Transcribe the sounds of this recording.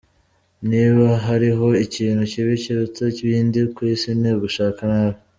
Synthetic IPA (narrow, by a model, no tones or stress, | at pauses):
niːβaɦaɾiɦo̞iciːnhuciβiceɾut͡seciβiːndikwiːsineɡuʃaːkanaβi